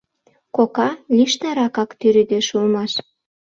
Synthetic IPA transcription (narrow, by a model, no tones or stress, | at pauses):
kokɑlʲiʃnɑɾɑkɑkt̪yɾyd̪eʃulmɑʃ